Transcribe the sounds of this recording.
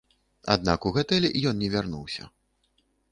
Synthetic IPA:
a̰d̪nakuɣɛt̪ɛlʲɛʔijɔnnʲɛvʲarnuwsʲɐ̰

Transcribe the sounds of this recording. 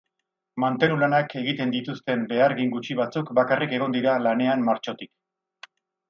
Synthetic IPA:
mant̪e̞nulanakʰe̞ɣit̪e̞nd̪it̪ust̪e̞mbe̞aɾɣiŋɡut͡ʃiβ̞at͡sukbakarike̞ɣ̞o̞nd̪iɾalane̞ammaɾt͡ʃo̞t̪ik

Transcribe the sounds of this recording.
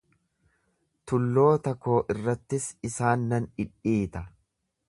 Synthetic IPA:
t̪ʊlːo̞ːt̪ɐkːo̞ːʔɪrːɐt̪ːɪsɪsaːnːɐnɪᶑiːt̪ɐ

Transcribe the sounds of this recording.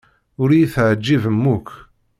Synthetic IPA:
ʊɾijiθʕəd͡ʒːivəmːuk

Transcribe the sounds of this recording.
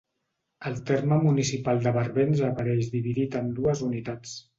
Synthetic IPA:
əlˠt̪eɾməmunisipalˠd̪əβəɾβenzəpəɾɛʃðiβ̞iðit̪ənd̪uəzunit̪at͡s

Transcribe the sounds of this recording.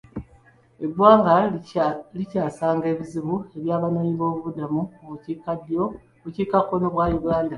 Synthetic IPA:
e̞bwaːŋɡa | licaːsaːŋɡe̞ːβiziβue̞βjaːβano̞ːɲiβo̞ːβuβudamuoβucikadjo | βuciːkakːo̞no̞βwaːjuɡaːnda

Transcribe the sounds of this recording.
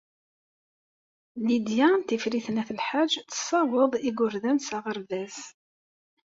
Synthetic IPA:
lid̪jant̪ifɾiθnæθlħaʒt̪ːə̥sˤːɑwəðˤiɡʊɾðænsæʁəɾðæs

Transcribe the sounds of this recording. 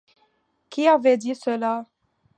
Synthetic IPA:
kʲiavɛd̪isəla

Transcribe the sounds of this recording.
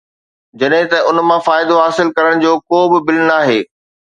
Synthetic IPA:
d͡ʑɐɗɦɪ̃t̪ɐʊnmãfaːɪd̪oɦaːsɪlkɐɾəɽ̃d͡ʑoːkoːbɪbɪlnaːɦeː

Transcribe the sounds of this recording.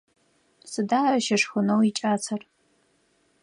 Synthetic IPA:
sɨdaːɐʃɐʂxʷʊnowit͡ʃʼaːt͡sʰɐr

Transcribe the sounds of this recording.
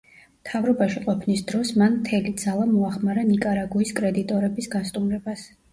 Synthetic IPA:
mt̪ʰavɾɔbaʃiqʼɔpʰnisd̪ɾɔsmanmt̪ʰɛlid̪zalˠamɔaχmaɾanikʼaɾaɡuiskʼɾɛd̪it̪ʼɔɾɛbisɡast̪ʼumɾɛbas

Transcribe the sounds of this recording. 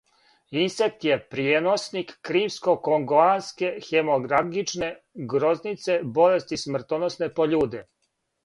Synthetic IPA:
insek̚t̪jepɾienosnikːɾiːmskokoŋɡoanske̞xemoɡɾaɡit͡ʃne̞ | ɡɾo̞znit̪se̞bo̞le̞st̪ismr̩t̪onosne̞poʎuːd̪e

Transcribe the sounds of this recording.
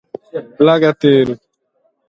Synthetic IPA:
laɡat̪eːɾu

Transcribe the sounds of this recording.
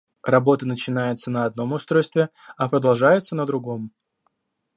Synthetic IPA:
rɐbo̞t̪ənət͡ɕɪnajɪt̪sənəɐd̪̚no̞mʊst̪ɾo̞jst̪vʲɪ | ɐpɾəd̪ɐlˠʐajɪt̪sənəd̪ɾʊɡo̞m

